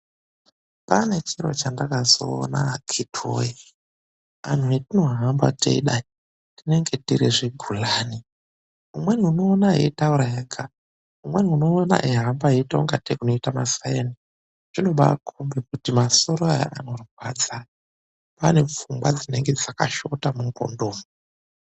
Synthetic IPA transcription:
pane̞t͡ʃiro̰t͡ʃandakazo̰ːna̰kʰitʰo̰ji | a̰n̤uetino̞ɦamba̰tḛḭɗai | tine̞ŋɡe̞tiɾiʐeɡʱulaːni | umwe̞nuno̞ːnaɦeitauɾajaɡa | umweniuno̞ːna̰ʔiɦambaɦeitoŋɡatekunoitamasajeni | ʐino̞ɓakʰombekutimaso̞ɾoaja̰ʔa̰no̞ruɡwad͡za | pane̞p͡fumɡwad͡zine̞ŋɡe̞d͡zaka̰ʃotamuŋko̰ndoːmu

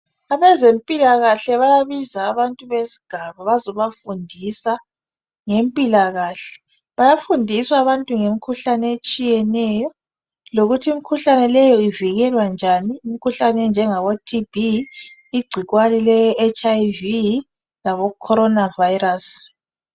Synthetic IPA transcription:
aβɛzempʼilaɣaɬɛβajaβizaːβantʼuβesi̥ɡ̥ʱaβaβazɔβafundʱisa | ŋempʼilaɣaːɬɛ̥ | βajafundʱiswaːβantʼuŋemikʰuɬanɛet͡ʃʼijɛnɛjɔ | loɣutʰiimikʰuɬanɛlɛjɔiviɣɛlwand͡ʒʱaniːmikʰuɬanɛnd͡ʒʱɛŋaβɔtʰibʱi | iɡ͡ǀʱiɣwalilɛːt͡ʃʼajvi | laβɔkʰɔɾɔnavajiras

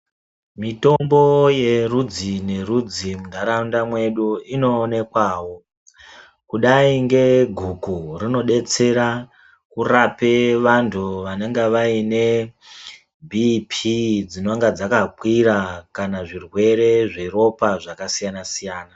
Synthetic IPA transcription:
mito̞mbo̞je̞rud͡zine̞rud͡zimudʱaɾaundamwe̞ɗuino̞ːne̞kwaːwo̞ | kuɗaiŋɡe̞ɡʱukurino̞ɗe̞t͡se̞ɾa | kurape̞ʋantʰuʋane̞ŋɡeʋaine̞ | bʱipʰid͡zino̞ŋɡad͡zakakwiɾakanaʐirwe̞ɾe̞ʐero̞paʐakasijanasijaːna

